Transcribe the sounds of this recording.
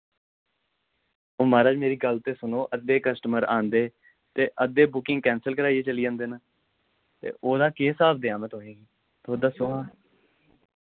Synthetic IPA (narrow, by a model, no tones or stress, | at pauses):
oːmaːɾaːd͡ʒmeːɾiːɡəlt̪eːsʊnoːʔəd̪eːkəsʈəməɾã̰ːnd̪eː | t̪eːʔəd̪eːbʊkɪ̃ŋɡkɛ̃ːnsəlkəɾaːieːt͡ʃəliːd͡ʒãːnd̪eːnaː | t̪ḛːʔoːd̪aːkeːsaːbd̪eːãːmɛ̃ːt̪oːẽːɡiː | t̪oːd̪aːsʊaː